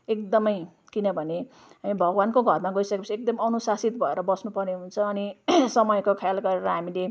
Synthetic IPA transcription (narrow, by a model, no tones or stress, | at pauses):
ekd̪ʌmʌj | kinʌbʱʌne | ɦamibʱʌɡwankoɡʱʌrmaɡʌisʌkepʌt͡sʰiek̚d̪ʌmʌnusasit̪bʱʌeɾʌbʌsnupʌrneɦunt͡sʰʌːnisʌmʌjkokʰjalɡʌɾeɾʌɦamile